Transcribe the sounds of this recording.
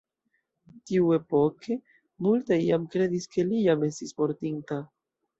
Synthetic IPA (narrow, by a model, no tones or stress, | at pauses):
t̪iwepoke | mult̪aiamkɾeðiskelijamesispoɾt̪int̪a